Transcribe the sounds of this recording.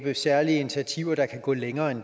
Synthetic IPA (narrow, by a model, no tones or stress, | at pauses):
b̥əsæɐliəi̝nit͡sʰiæt͡sʰiʊ̰ɐd̥ɑ̈kʰæɡ̥ɔ̰ːleŋɐːend̥